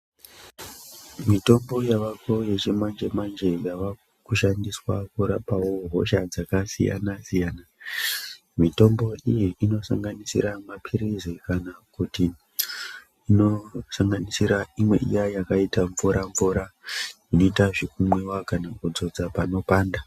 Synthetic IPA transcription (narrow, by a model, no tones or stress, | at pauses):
mito̞mbo̞jaʋako̞je̞t͡ʃemand͡ʒemand͡ʒe̞jaʋa | kuʃandiswakuɾapawo̞ɦo̞̰ʃad͡zakasḭja̰nasijaːna | mito̞mbo̞ijiʔino̞sa̰ŋɡanisḭɾamapʰiɾizikanakuti | ino̞saŋɡanisiɾaimwe̞̰ʔḭjajakaitaɱvuɾaɱvuɾa | ino̞itaʐek̚umwewakanakud͡zo̞d͡zapano̞paːnda